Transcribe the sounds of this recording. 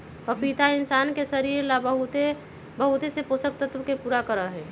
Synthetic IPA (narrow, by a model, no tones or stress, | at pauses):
ɔpit̪aɪnsaːnkesəɾiːɾlabəɦut̪e | bəɦut̪eseposək̚t̪ət̪wəkepuːɾakəɾəɦɛː